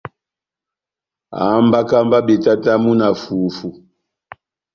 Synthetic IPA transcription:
a̰˨˦mba˦ka˦mba˦ɓɛ˨ta˦ta˦mu˦na˨fu˨fu˨

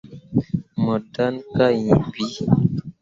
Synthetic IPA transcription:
mɔ˨da˦nka˦jĩ˨bi˨˦

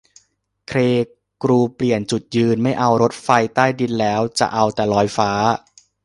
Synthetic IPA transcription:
kʰɾeː˧ | kɾuː˧pli˨˩ənt͡ɕu˨˩t̪̚jɯː˧nma˥˩jʔa˧wɾo˦˥t̪̚fa˧jt̪aː˥˩jdi˧nlɛː˦˥wt͡ɕa̰˨˩ʔa˧wt̪ɛː˨˩lɔː˦˥jfaː˦˥

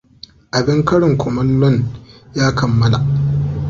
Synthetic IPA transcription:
ʔa˨bɪ˦ŋkɐ˦ɽɪ˨ŋkʷʰɔ˨mɐ˦nlɔ˦˨njaː˦kʰɐ˨mːɐ˦la˨ʔ

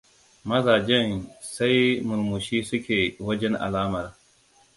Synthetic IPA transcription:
mɐ˦zaː˨d͡ʒɛ˦˨nsa˦jmʊ˨lmu˨ʃiː˦sʊ˦kʲeː˨wɐ˦d͡ʒɛ˦nʔa̰˨laː˦mɐ˨ɾ

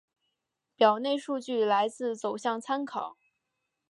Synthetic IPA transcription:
pjɑ˨˩ʊne˥˧ɪʂu˥˧t͡ɕy˥˩la˧˥ɪt͡sɹ̩˥˩t͡so˨˩ʊɕjɑ˥˩ŋt͡sʰa˥nkʰɑ˨˦ʊ

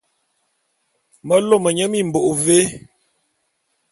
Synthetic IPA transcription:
mə˦lo˦˨mə˨ɲə˦mi˦˨m̩˨bo˨ʔve˦

